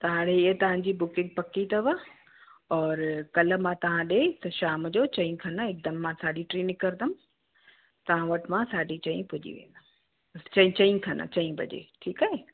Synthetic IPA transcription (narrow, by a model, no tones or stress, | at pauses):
t̪ɐʋ̤ãɽeɪət̪ɐʋ̤ãɲd͡ʑibʊkɪ̃ŋɡ̚pɐkit̪ʰɐʋə | ɔːɾkɐl̆mãt̪ɐʋ̤ãɗet̪ɐʃaːmd͡ʑoːt͡ɕɐ̃ĩkʰɐnəɪk̚d̪ɐmːãsaːɗiʈɾiːnɪkɐɾd̪ɐm | t̪ɐʋ̤ãʋɐʈmãsaːɖit͡ɕɐ̃ĩpʊd͡ʑḭʋḛ̃ːn̆d̪a | t͡ɕɐĩt͡ɕɐĩkʰɐnə̰t͡ɕɐ̃ĩbʱɐ̰ʄḛːʈʰiːkaːɦe